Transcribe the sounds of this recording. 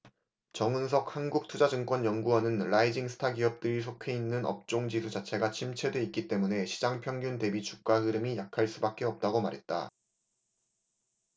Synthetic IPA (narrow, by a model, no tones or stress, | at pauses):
t͡ɕʌŋɯns̬ʰʌk̚hanɡuk̚tʰud͡ʑad͡ʑɯŋk͈wʌnjʌŋɡuʌnɯnɭaid͡ʑiŋsʰɯ̥tʰaɡiʌp̚t͈ɯɾisʰokʰe̞inːɯnʌ̰p̚t͡ɕ͈oŋd͡ʑisʰud͡ʑat͡ɕʰe̞ɡat͡ɕʰimt͡ɕʰe̞doit̚k͈it͈e̞mune̞ɕʰi̥d͡ʑaŋpʰjʌŋɡunte̞bit͡ɕu̥k̚k͈aɦɯɾɯmijakʰaɭs͈ubak͈e̞ʌp̚t͈aɡomaɾɦe̞t̚t͈a̰